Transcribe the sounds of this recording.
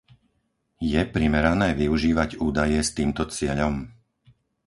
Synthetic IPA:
jɛpɾimɛɾanɛːʋiuʒiːʋaɟuːd̪ajɛst̪iːmt̪ɔt͡sɪɛʎɔm

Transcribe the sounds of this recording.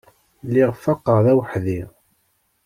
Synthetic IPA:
lːiʁfːɑqːəʁðæwħði

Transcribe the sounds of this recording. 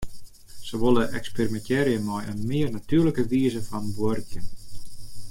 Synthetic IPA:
səʋolˠəʔɛ̰ksperimɛntɛːɾijəmɔjə̰nmɪərnatyərləkəʋiːəzəfɔnbwʊrkjən

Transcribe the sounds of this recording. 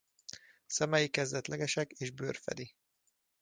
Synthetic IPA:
sɛmɛjikɛzd̪ɛt̪lʔɛɡɛʃɛkeːʒbø̰ːrfɛ̰d̪i

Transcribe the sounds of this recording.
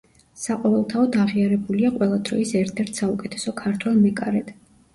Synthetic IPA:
saqʼɔvɛlˠt̪ʰaɔd̪aʁiaɾɛbuliaqʼwɛlˠad̪ɾɔ̰isɛɾt̪ʰɛɾt̪ʰsaukʼɛt̪ʰɛ̥sɔkʰaɾt̪ʰwɛlˠmɛkʼaɾɛd̪̥

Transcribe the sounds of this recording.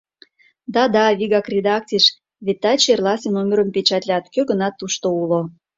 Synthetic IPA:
d̪ɑd̪ɑβʲiɣɑkrʲed̪ɑk̚t͡sʲiʃ | βet̪ːɑt͡ɕerlɑsʲenomʲeɾə̆mpet͡ɕɑt̪ʲlʲɑt̪køɡənɑt̪ːuʃt̪oulo

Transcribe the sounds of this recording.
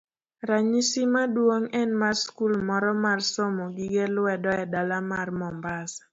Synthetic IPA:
ɾaɲisimadwoŋɛnmarskulmɔɾɔmarsomoɡiɡelʊwɛdɔɛdalamarmɔmbas

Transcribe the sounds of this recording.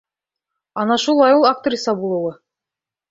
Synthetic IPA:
ɑnɑʃulˠɑjulˠakt̪rʲisɑbulˠɤ̆wɤ

